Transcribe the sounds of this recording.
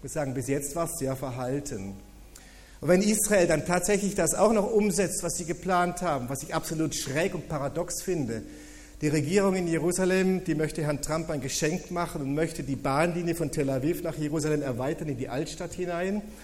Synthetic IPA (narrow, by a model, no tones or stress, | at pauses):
çmʊsz̥aːɡŋ̩bɪsjɛt͡stv̥aːɐsz̥eːɐfɛɐɦaltʰən | ʊvɛnisʁ̥aeːldantʰaːtz̥ɛçlɪçd̥asa̰ʊxnɔχʔʊmzɛt͡stv̥asz̥iːɡəpl̥aːnthaːbm̩vasɪçapz̥oluːtʃʁ̥ɛːkʊnt̚pʰaʁadɔksfɪndə | d̥iːʁeɡiːʁ̞ʊŋɪnjeʁuːzalɛmd̥iːmœçtəhɛɐntʁ̥ampaɪnɡəʃɛŋkmaχənʊntmœçtədiːbaːnliːnjəfɔntʰɛlavifnaːχjeʁuːzalɛmɛɐvaɪtɐnɪndiːʔaltʃtathɪnaɪn